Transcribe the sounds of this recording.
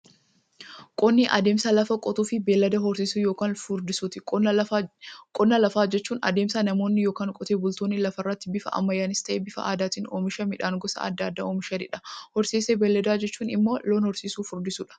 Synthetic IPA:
kʼɔnːiʔɐd̪eːmsɐlɐfɐkʼɔt̪uːfɪbeːlːɐd̪ɐɦɔɾsiːsuːjoːkaːnfʊɾd̪ɪsuːt̪ɪkʼː | kʼɔnːɐlɐfaːd͡ʒɛt͡ʃːuːnɐ̰d̪e̞ːmsɐnɐmo̞ːnːɪjo̞ːkaːŋkʼɔt̪eːbʊlt̪oːnːɪlɐfɐrːɐt̪ːɪbɪfɐ̰ʔɐ̰mːɐjaːnɪst̪ɐʔeːbɪfɐ̰aːd̪aːt̪iːnoːmɪʃɐmɪᶑaːŋɡɔsɐ̰ɐ̰d̪ːaːd̪ːa̰oːmɪʃɐd̪ɪᶑɐ̥hɔɾsiːseːbeːlːɐd̪aːd͡ʒɛt͡ʃːuːnɪmːoːloːnhɔɾsiːsuːfʊɾd̪ɪsuːᶑɐ̥

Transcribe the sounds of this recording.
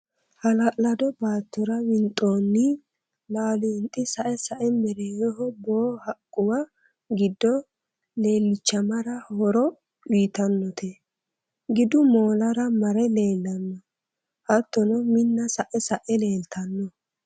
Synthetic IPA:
hɐlɐʔlɐd̪ɔbaːt̪ːɔɾɐwɪnt̪ʼoːnːɪ | laːlʊnt̪ʼːɪsɐʔɛsɐʔɛmɛɾeːjɔhɔboːhɐkʼːʊwa | ɡɪd̪ːɔ | le̞ːlːɪt͡ʃːɐmɐɾɐhɔɾɔ | iːt̪ɐnːɔt̪ʰɛ | ɡɪd̪ʊmoːlɐɾɐmɐɾɛle̞ːlːɐnːɔ | hɐt̪ːɔnɔmɪnːɐsɐʔɛsɐʔɛle̞ːlt̪ʰɐnːɔ

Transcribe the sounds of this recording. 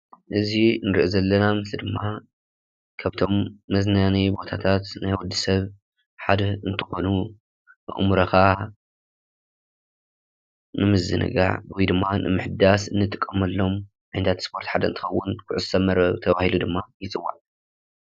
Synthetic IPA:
ʔɨzinɨɾiʔozɐlːɐnamɨslid̪ɨmːa | kʰaβt̪ʰo̞mːɐznanibo̞t̪ʰat̪ʰat̪najwɔd̪ːisɐβ | ħad̪ɐɨnt̪ʰɨ̥xo̞nu | bɨ̰ʔmuɾɐka | nɨmɨzɨ̰nɨ̰ɡa̰ʕwjd̪ɨmːanɨ̰mɨħd̪asɨnːɨt̪ʼɨkʼːɐmɐlːo̞m | ʕajnt̪ʰat̪spʰo̞ɾt̪ħad̪ɐɨnt̪ɨ̥xɐwːʊnkʰʊʕʊzsɐmːɐɾɐt̪ʰɐβahilud̪ɨmːajɪt͡sʼɨwːa̰ʕ

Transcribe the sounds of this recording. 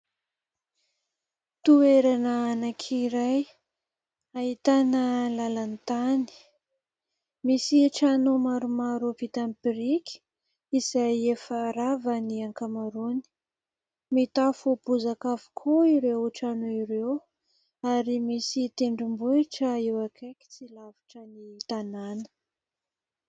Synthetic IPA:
t̪ueɾanəanakʰiɾaj | aɦit̪anəlalant̪ani̥ | misiʈ͡ʂanomaɾumaɾupit̪ampiɾikʲi̥ | izajefaɾavəniaŋkamaɾuni̥ | mit̪afubuzakavu̥kʰuiɾewʈ͡ʂanoiɾew | aɾimisit̪eɳɖ͡ʐimbuiʈ͡ʂəewakʰeki̥t͡silavi̥ʈ͡ʂənit̪ananə̥

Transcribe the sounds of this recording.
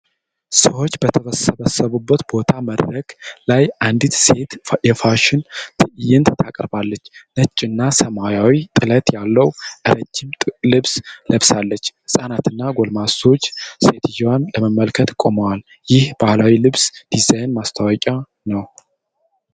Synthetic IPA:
səwo̞t͡ʃːbət̪ʰəβəsəβəsəβubːət̪bo̞t̪ʰaməd̪ɾəklajʔand̪it̪se̞t̪jɛfaʃɪnt̪ʰɨʔɨjɪnt̪ʰt̪ʰakʼɾbalːət͡ʃːnət͡ʃʼːɪnːasəmajawit̪ʼɨlət̪ʼjalːəwʔɨɾəd͡ʒɪmʼlɨβsləβsalːət͡ʃːsʼanat̪ɨnːaɡo̞lmaso̞t͡ʃːse̞t̪ʰjwanləməmːəlkʰət̪kʼoməwal | jɪhb̥ahlawilɨβsd̪̥izajnmast̪ʰawɔkʼa | nəw

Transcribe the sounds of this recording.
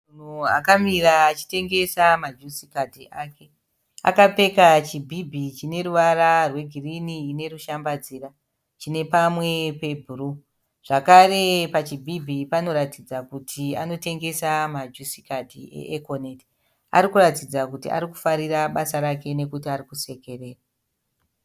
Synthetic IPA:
un̤ua̰kamiraːt͡ʃi̥te̞ŋɡe̞samad͡ʒusikadʱiʔake̞ | a̰kape̞kat͡ʃibʱibʱit͡ʃine̞ɾuʋararwe̞ɡʱiriniːne̞ruʃambad͡ziːra | t͡ʃine̞pamwe̞pe̞bʱuru | ʐ̥akare̞pat͡ʃibʱibʱipano̞ɾatid͡zakutʰiano̞te̞ŋɡe̞samad͡ʒusi̥kadʱḭḛʔekoneti̥ | a̰ɾikuratid͡zakutḭa̰ɾiku̥faɾiraɓasaɾake̞ne̞kutiaɾikuse̞ke̞re̞ːra

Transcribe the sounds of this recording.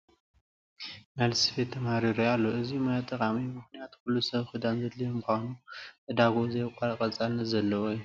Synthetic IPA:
nalsifet̪ʰːɐmhaɾiɾojalːoʔɨzimajat̪ʼːɐkʼamimɨxnijat̪kulːusɐβxɨd̪anzɐd̪lijomuxʷanuʔʼɨd̪aɡozɐjkʼaɾkʼɐt͡sʼalnɐzɐlːɐwojːu

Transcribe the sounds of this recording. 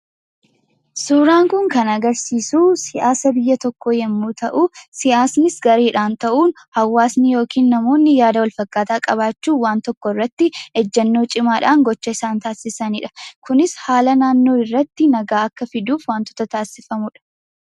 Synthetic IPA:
suːɾaːŋkʊŋkɐnɐɡɐɾsiːsuːsɪʔaːsɐbɪjːɐt̪ɔkːoːjɛmːuːt̪ɐʔusɪʔaːsnɪsɡɐɾeːᶑaːnt̪ɐʔuːn | hɐwːaːsnɪjo̞ːkʰiːnːɐmo̞ːnːɪjaːd̪ɐwɐlfɐkːaːt̪aːkʼɐβaːt͡ʃːuːwaːnt̪ɔkːɔɪrːɐt̪ːɪɛd͡ʒːɛnːo̞ːt͡ʃʼɪmaːᶑaːŋɡɔt͡ʃːɐɪsaːnt̪aːsɪsɐnḭᶑɐ̥kʊnɪshaːlɐnaːnːo̞ːɪrːɐt̪ːɪnɐɡaːɐkːɐfɪd̪uːfwaːnt̪ɔ̥t̪ɐt̪aːsɪfɐmʊᶑɐ̥

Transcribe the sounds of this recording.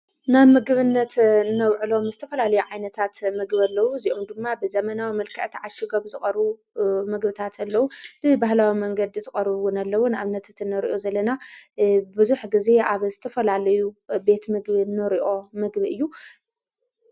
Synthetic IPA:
namɨɡɨβɨnːɐt̪ɨnːɐwʕɨlo̞mzɨt̪ʰɐfɐlalɐjuʕajnɐt̪ʰat̪mɨɡβɐlːɐwuziʔomd̪ɨmːabɨzɐmɐnawimɐlkʰɐʕt̪ʰiʕaʃɪɡomzɨxʼɐɾβu | mɨɡbɨt̪ʰat̪ʰɐlːɐwubɨbaɦlawimɐŋɡɐd̪izɨχʼɐɾβwʊnalːɐwunʔaβnɐt̪ʰat̪ɨnːɐɾḭʔozɐlɐna | bɨzuħɡize̞aβzɨt̪ʰɐfɐlalɐjube̞t̪mɨɡβinːɐɾiʔo̞mɨɡbiɨjːu

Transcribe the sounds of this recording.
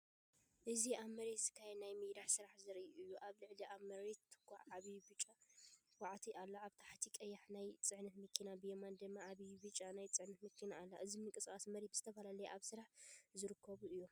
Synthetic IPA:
ʔɨziʔamːɐɾet̪zɨkʰːajɛnajmɨjɾaħsɨɾaħzɨɾɨjːuʔaβlɨʕliʔamɐɾet̪ʰːɨ̥kʷːaħʕaβijbɨt͡ʃʼawaʕt̪ʰiʔalːaaβt̪ʰḁħt̪ʰikʼɐjːaħnajt͡sʼɨʕnɐt̪mɨkʰːinabɨjemand̪ɨmːaaβijβɨt͡ʃʼanajt͡sʼɨʕnɐt̪mɨkʰːinaːlːa̰ʔɨzimɨŋkʼɨsʼkʼasmɐɾet̪bɨz̥ɨt̪ʰɐfɐlalɐjeʔaβsɨɾaħzɨɾɨkʰːɐβuɨjːo

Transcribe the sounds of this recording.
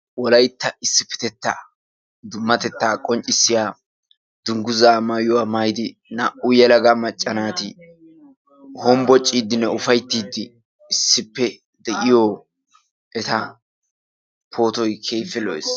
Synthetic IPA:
wɔlɐjt̪ːɐɪsːɪpɪ̥t̪ɛt̪ːa | d̪ʊmːɐt̪ɛt̪ːaːkʼɔnt͡ʃʼɪsːɪjaː | d̪̥ʊŋɡʊzaːmɐjʊwaːmɐjd̪ɪnɐʔʊjɛlɐɡɐmɐt͡ʃʼːɐnaːt̪ɪ | hɔmbɔt͡ʃʼːiːd̪ːɪnːɛʊfɐjt̪ːiːd̪ːɪː | sːɪpːɛ | d̪ɛʔɪjoː | ʔɛt̪ɐ | pʰo̞ːt̪ɔjkʰe̞ːfɛlɔ̰js

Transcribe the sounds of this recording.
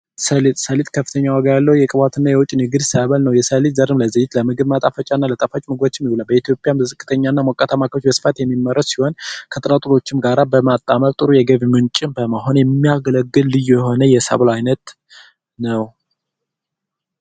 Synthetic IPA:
səlt̪səlit̪kʰəfːɨt̪ʰəɲːawaɡəjalːəhujɛkʼɨβat̪ʰɨnːajɛwʊt͡ʃʼnɨɡɨd̪səβəlnəwjɛsəlit̪zəɾɨmləzəjːɪt̪ləmɨɡɨβmat̪ʼafət͡ʃʼanːalət̪ʼəfat͡ʃʼmɨɡwot͡ʃːɪmːihulalbəit̪ʰjo̞pʼɪjammɨzɨkʼːɨt̪ʰəɲːanːamokʼːat̪ʰamakʰəɾot͡ʃbəsɨ̥fat̪jɛmːimːəɾəssiho̞nkʰət̪ʼɨɾat̪ʼuɾo̞t͡ʃːɪmɡaɾabəmat̪ʼːaməɾt̪ʼɨɾujɛɡəβmɨnt͡ʃʼɪmbəmaɦo̞njɛmːijaɡələɡːɨlːɨjːjɛɦo̞nəjɛsa̰βlajnət̪ | nəw

